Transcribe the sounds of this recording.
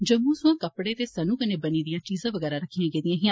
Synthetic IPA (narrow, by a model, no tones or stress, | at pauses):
d͡ʒəmːũːsʊãːkəpɽeːt̪eːsənũːkəneːbəniːd̪ɪjãːt͡ʃiːzãːʋəɡɛːɾaːɾəkʰːijãːɡeːd̪ɪjãːɦiã